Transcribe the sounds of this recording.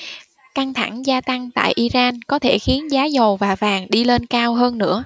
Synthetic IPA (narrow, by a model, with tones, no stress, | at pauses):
ka˧nt̪ʰa˧˩ŋzaː˧t̪a˧ŋt̪a̰ː˧˨jʔi˧zaː˧nkɔ˨˦t̪ʰe˧˩xi˨˦ənzaː˨˦zə˨˩wvaː˨˩vaː˨˩ŋɗi˧le˧nkaː˧wɦəː˧nːɨ̰˧˥ə